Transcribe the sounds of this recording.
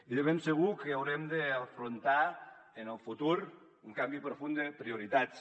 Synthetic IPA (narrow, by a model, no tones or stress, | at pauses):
iðeβemseɣ̞ukeawɾemd̪eafɾont̪a | enelˠfut̪uɾ | uŋkambipɾofund̪epɾioɾit̪at͡s